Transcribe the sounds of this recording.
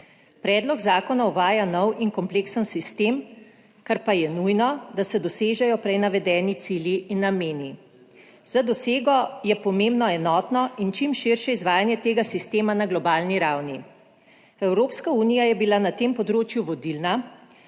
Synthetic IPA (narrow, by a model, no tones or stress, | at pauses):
pɾɛːd̪lɔɡzaːkɔnawʋaːjanɔwiŋkɔmpleksənsist̪eːm | kaɾpajɛnujnɔd̪asɛd̪ɔseːʒɛjɔpɾɛjnaʋɛd̪ɛːnit̪siːljiʔinameːni | z̥ad̪ɔseːɡɔjɛpɔmembnɔɛnɔːt̪nɔint͡ʃimʃiɾʃɛizʋaːjanjɛt̪eːɡasist̪eːmanaɡlɔbaːlniɾawni | ɛwɾoːpskauːnijajɛbilanat̪empɔd̪ɾoːt͡ʃjuʋɔd̪ilna